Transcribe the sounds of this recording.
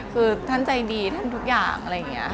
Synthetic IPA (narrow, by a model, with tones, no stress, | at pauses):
kʰɯː˧t̪ʰa˥˩nt͡ɕa˧jdiː˧t̪ʰa˥˩nt̪ʰu˦˥k̚jaː˨˩ŋʔa˧ɾa˧jːa˨˩ŋːi˦˥ɐ